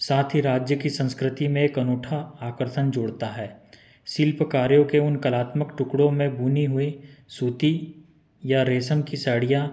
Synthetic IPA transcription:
saːt̪ʰiɾaːd͡ʒjəkisə̃nskɾɪt̪imẽekɐnoːʈʰaaːkəɾt̪ənd͡ʒoːɽt̪aɦɛː | siːlpəkaːɾjõkeʊnkəlaːt̪məkʈʊkɽõmẽbuːniɦʊesuːt̪i | jaɾeːsəmkisaːɽijã

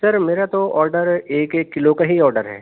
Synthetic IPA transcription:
sɐɾmeːɾat̪oʔɔːɾɖəɾeːkeːkːɪlokaɦiɔːɾɖəɾɦɛ̰ː

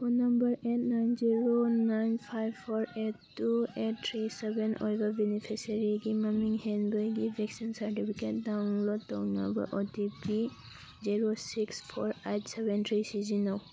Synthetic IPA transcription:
punambaɹetnajnziɹonajnpʰajbpʰɔɹettːuet̚tʰɹisɛbɛnɔ̰jɡabinipʰisaɹiɡimamiŋhɛnbɔjɡibʱɛksinsaɹtipʰiket̚dawŋlɔtɔ̰na̰mba̰ɹʔɔdibi | ziɹosikspʰɔ̰ɹetsɛbɛntʰɹisizinaw

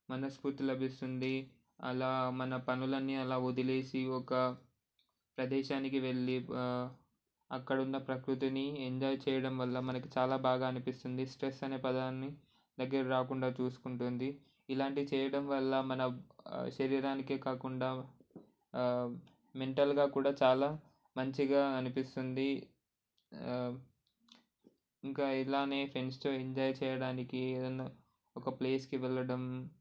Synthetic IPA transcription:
mɐnɐspuɾt̪lɐbʱist̪und̪i | ɐlaːmɐnɐpɐnulɐnːiɐlaːud̪ile̞ːsiɔkɐ | pɾɐd̪ɛːʃaːnikiʋe̞ɭːi | ɐkːɐɽunːɐpɾɐkɾut̪̬inieɲd͡ʒɔːjt͡ʃɛːjɐɽɐmʋɐlːɐmɐnɐkit͡ʃaːlaːbaːɡaːɐnipist̪und̪isʈɾesːɐneːpɐd̪aːnːi | d̪ɐɡːɐɾɐɾaːkuɳɖaːt͡ʃuːsu̥kuɳʈund̪iː | laːɳʈit͡ʃɛːjɐɽɐmʋɐlːɐmɐnɐʃɐɾiːɾaːnikeːkaːkuɳɖaː | me̞ɳʈɐlɡaːkuːɽaːt͡ʃaːlaː | mɐɲt͡ʃiɡaːɐnipist̪und̪i | iŋkaːilaːneːpʰe̞nst̪o̞ːeɲd͡ʒaːjt͡ʃɛːjɐɽaːnikieːd̪ɐnːɐ | ɔkɐple̞ːskiʋɛlːɐɽɐm

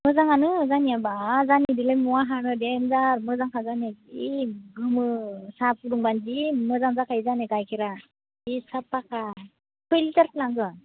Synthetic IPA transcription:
mɯzaŋanɯzaniabazanidilejmuwaɦanɯdenzaɾmɯzaŋkʰazaneiɡɯmɯsapʰuɾuŋbanzimɯzaŋzakʰajzaneɡajkʰiɾa | isapːaka | kʰɯjlitaɾklaŋɡɯ

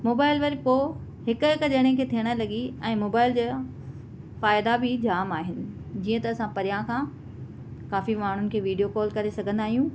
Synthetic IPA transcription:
moːbaːɪlʋɐɾipoː | ɦɪkɦɪkd͡ʑɐɽ̃ẽkʰeːt̪ʰiəɽ̃lɐɡiɛ̃ːmoːbaːɪld͡ʑaː | faːɪd̪abʱɪd͡ʑaːmaːɦɪnɪ̆ | d͡ʑiːə̃t̪ɐɐsãpɐɾijãkʰãː | kaːfimaːɳ̤ʊnɪ̆kʰeːʋiːɖijokɔːlkɐɾesɐɡʱə̃nd̪aːɦijũ

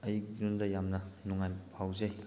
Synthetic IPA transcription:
ɐjik̚dundɐjamnɐnuŋajpʰawzɐj

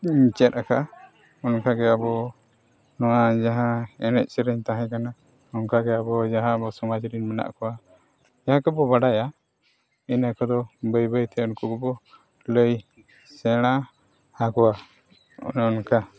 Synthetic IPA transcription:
ɲt͡ʃɛt̪̚aka | ɔnkaɡɛabɔ | nɔwad͡ʒaɦãɛnɛt̪̚ˀsɛɾəɲt̪aɦɛ̃kana | ɔnkaɡɛabɔd͡ʒaɦãbɔsɔmad͡ʒɾinmɛna̰ʔkɔwa | d͡ʒaɦãkɔbɔbaɖaja | inəkɔd̪ɔbəjbəjt̪ʰɛɔnkɔkɔbɔ | ləj | sɛɽ̃a | hakɔwa̰ | nɔnka

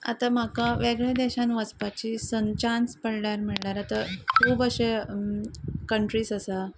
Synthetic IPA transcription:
a̰t̪am̤akaʋeɡɭed̪ɛɕãnʋəspat͡ɕiːsənt͡ɕanspəɽɳaɾmiɭɳaɾat̪akʰuːbəɕe | kəɳʈɾiːsəsa

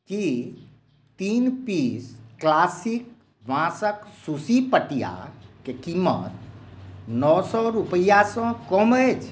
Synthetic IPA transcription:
ki | t̪iːnpiːsklaːsik̚ | ʋãsəksusipəʈija̰kekimə̰t̪̚ | nɔːsɔɾupəjasɔ̃kɔmət͡ʃʰ

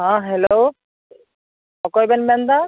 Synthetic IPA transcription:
ɦãɦɛlo | ɔkɔjbɛnbɛnd̪a

